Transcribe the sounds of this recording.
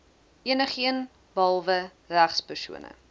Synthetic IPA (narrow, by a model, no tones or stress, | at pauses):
iənəχiən | bɑlˠvə | ræχspərsṵənə̰